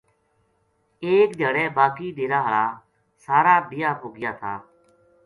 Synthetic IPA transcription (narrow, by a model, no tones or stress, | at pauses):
eːk̚d̪ʱəɽɛːbaːkiːd̪eːɾaːɦəɭaː | saːɾaːbɪjaːɦoːɡɪjaːt̪ʰa̰ː